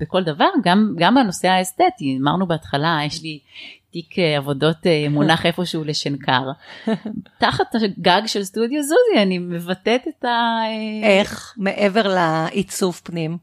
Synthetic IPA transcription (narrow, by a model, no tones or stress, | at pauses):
b̥ekoldavaʁɡamɡambano̞se̞aest̪et̪imaʁnubeatχalajeʃlitikʰeavo̞do̞temunaχe̞fo̞ʃeuleʃenkʰaʁ | taχataɡaɡʃelstudjozuzianimevatet̪etaeeχmeʔeveʁlaʔit͡sufpnim